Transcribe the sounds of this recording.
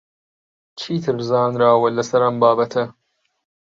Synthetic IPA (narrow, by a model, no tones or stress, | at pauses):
t͡ʃʰiːt̪ʰɨɾzaːnɾaːwɐlɐsɐɾɐmbaːbɐt̪ʰɐ